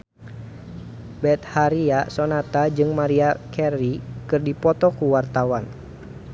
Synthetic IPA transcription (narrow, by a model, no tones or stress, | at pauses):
bɛt̪̚haɾiasɔnat̪ad͡ʒɨŋmaɾiakʰɛrikɨrdipɔt̪ɔkuwart̪awan